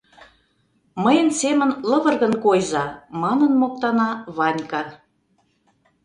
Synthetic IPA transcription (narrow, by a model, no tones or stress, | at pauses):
məjə̆nsemə̆nlə̆βə̆rɣə̆nkojzɑmɑnə̆nmok̚t̪ɑnɑβɑnʲkɑ